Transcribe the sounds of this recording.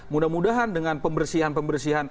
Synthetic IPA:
mudamudaɦandəŋanpəmbərsiɦanpəmbərsiɦan

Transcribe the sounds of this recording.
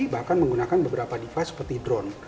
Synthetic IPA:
ibahkanməŋɡunakanbəbəɾapadifasə̥pərt̪idɾɔn

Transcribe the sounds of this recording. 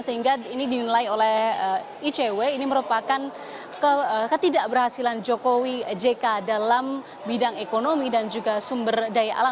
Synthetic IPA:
səɦiŋɡainidinilaiolɛhə | it͡ʃeweiniməɾupakan | kəkət̪idaʔbərhasiland͡ʒokowid͡ʒekadalam | bidaŋekonomidand͡ʒuɡasumbərdajaʔa̰la

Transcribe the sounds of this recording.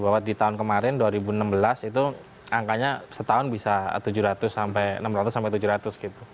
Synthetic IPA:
bawat̪̚dit̪aʊnkəmaɾɪnduaɾibunəmbəlasit̪̬u | aŋkaɲasət̪aʊnbisa̰t̪ud͡ʒuɾat̪ʊsːampɛjnəmɾat̪ʊsːampɛjt̪ud͡ʒuhɾat̪ʊsɡit̪u

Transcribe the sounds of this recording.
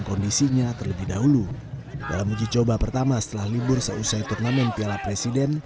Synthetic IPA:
ŋkɔndisiɲat̪ərləbɪhdaɦuluda̰lamud͡ʒit͡ʃobapərt̪amasə̥t̪əlahlibʊrsəusajt̪urnamɛnpialapɾesidɛn

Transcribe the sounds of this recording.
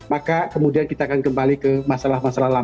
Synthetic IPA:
makakəmudiankit̪aːkankəmbalikəmasalahmasalahla

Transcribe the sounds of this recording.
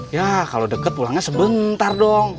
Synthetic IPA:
jakalodəkət̪̚pulaŋɲasəbənt̪ardɔŋ

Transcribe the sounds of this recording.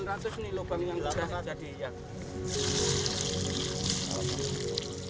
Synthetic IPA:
nrat̪ʊsnilobaŋjaŋd͡ʒad͡ʒad̥ija

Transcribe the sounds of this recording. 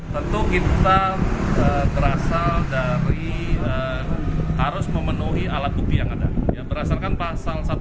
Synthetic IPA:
t̪ənt̪ukit̪aəbəɾasaldaɾiə | haɾʊsməmənuɦialat̪̚upijaŋada̰jabəɾasalkanpasalsat̪

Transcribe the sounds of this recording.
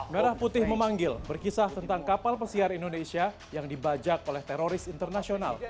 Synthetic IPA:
mənaɾahput̪ɪhməmaŋɡɪlbərkisaht̪ənt̪aŋkapalpəsiaɾindonesia | jaŋdibad͡ʒak̚olɛht̪ɛɾoɾɪsint̪ərnasiona̰l

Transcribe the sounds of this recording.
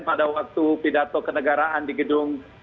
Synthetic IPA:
npadawak̚t̪upidat̪ɔkənəɡaɾaʔandiɡədʊŋ

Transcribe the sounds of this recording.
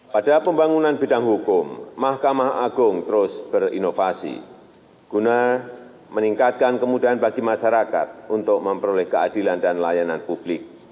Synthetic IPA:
padapəmbaŋunanbe̤daŋɦukʊmːahkamaɦa̰ɡʊŋt̪əɾʊsb̥ərḭnofasḭ | ɡ̥una | məniŋkat̪̚kankəmudaanbaɡimaʃaɾaka̰t̪̚unt̪ʊk̚məmpəɾolɛhkəadilandanlajananpub̥lɪk̚

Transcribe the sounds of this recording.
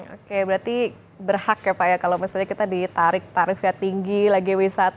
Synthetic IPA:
o̰kebəɾat̪i | bərhakjapajakalowmisalɲakit̪adit̪aɾɪk̚t̪aɾifiat̪iŋɡilaɡiwisat̪

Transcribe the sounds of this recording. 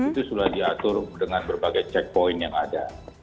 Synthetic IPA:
it̪usulahdiat̪ʊrdəŋanbərbaɡajt͡ʃɛk̚poɪnjaŋada̰

